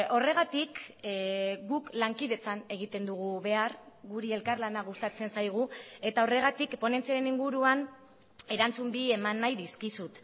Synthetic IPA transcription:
o̞re̞ɣ̞at̪ik | ɡuklaŋkiðe̞t͡sane̞ɣ̞it̪e̞nd̪uɣ̞uβe̞arɣuɾie̞lkarlanaɣ̞ust̪at͡se̞nsajɣ̞ue̞t̪ao̞re̞ɣ̞at̪ikpo̞ne̞nt͡siaɾe̞niŋɡuɾuan | e̞ɾant͡sumbie̞manːajðiskisut̪

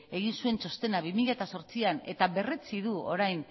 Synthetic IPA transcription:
e̞ɣ̞insue̞nt͡so̞st̪e̞naβimiʎat̪aso̞ɾt͡siane̞̰t̪aβe̞re̞t͡siðuo̞̰ɾajn

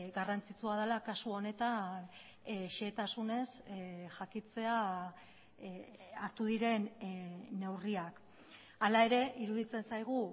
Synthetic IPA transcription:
ɡarant͡sit͡suað̞alakasuo̞ne̞t̪an | ʃet̪asune̞sʝakit͡se̞a | aɾt̪uðiɾe̞nː | e̞wriak | alae̞ɾe̞ʔiɾuðit͡se̞nsajɣ̞u

